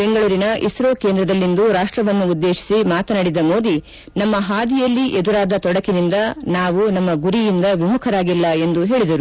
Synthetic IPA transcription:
beŋɡɐɭuːɾinɐʔḭsɾoːkeːnd̪ɾɐd̪ɐlːind̪uɾaːʂʈɾɐʋɐnːuːd̪ːe̞ːʃi̥simaːt̪ɐnaːɽid̪ɐmo̞ːd̪i | nɐmːɐɦaːd̪ijɐlːiʔed̪uɾaːd̪ɐt̪ɔɽɐkinind̪ɐnaːʋunɐmːɐɡuɾijind̪ɐʋimukʰɐɾaːɡilːɐe̞nd̪uɦe̞ːɭid̪ɐɾu

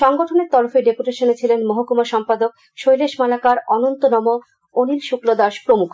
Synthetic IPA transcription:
ʃɔŋɡoʈʰoneɾt̪ɔɾofeɖepuʈeʃonet͡ɕʰilenmoɦokumaʃɔmpad̪ok | ʃojleʃmalakaɾɔnont̪onɔmo | onilʃuklod̪aʃpɾomukʰ

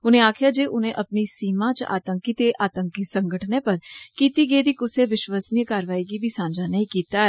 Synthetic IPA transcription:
ʊnẽːaːkʰjaːd͡ʒeːʔʊnẽːʔəpnisiːmãːt͡ʃa̰ːt̪əŋkit̪eʔaːt̪əŋkisəŋɡəʈʰneːpəɾkiːt̪iːɡeːd̪iːkʊseʋɪʃʋaːsnijəkaːɾʋaːiːɡiːbʱiːsãːɲd͡ʒaːnəĩːkiːt̪aːɛː

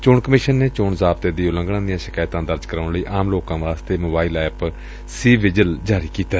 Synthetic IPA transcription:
t͡ʃoːɳkəmɪʃənːeːt͡ʃoːɳzaːbt̪eːd̪iːʊlə̃ŋɡɽãːd̪ijãːʃɪkaːjt̪ãːd̪əɾd͡ʒkəɾaːɳləiːʔaːmloːkãːʋaːst̪eːmoːbaːiːlɛːp | siːʋɪd͡ʒəld͡ʒaːɾiːkiːt̪aː

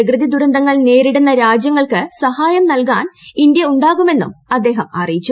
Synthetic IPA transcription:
iɡrɨðid̪uɾɐnd̪ɐŋːɐɭne̞ːɾiɽunːɐɾaːd͡ʑjɐŋːɐɭkɨsɐhaːjɐmnɐlka̰ːnind̪jɐuɳɖaːɣume̞nːṵmɐd̪ːe̞ːɦɐmɐ̰rijit͡ɕːu

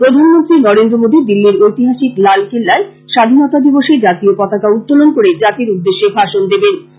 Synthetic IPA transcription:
pɾod̪ʱanmont̪ɾinɔɾend̪ɾomod̪ʱid̪ilːiɾojt̪iɦaʃiklalkelːae | ʃad̪ʱinɔt̪ad̪iboʃeɾd͡ʑat̪iokɔt̪akaut̪ːolonkoɾed͡ʑat̪iɾud̪ːeʃːebʱaʃond̪eben

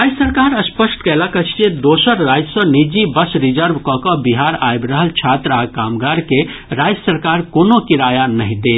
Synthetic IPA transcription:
ɾad͡ʒsəɾkaːɾəspəsʈkɛlakət͡ʃʰt͡ʃed̪oːsəɾɾaːd͡ʒsɔ̃nid͡ʒibəsɾid͡ʒəɾbkɔkəbiɦaɾaebɾəɦəlt͡ʃʰat̪ɾakaːmɡaɾkeɾad͡ʒsəɾkaːɾkoːnokiɾaːjanəɦĩd̪e

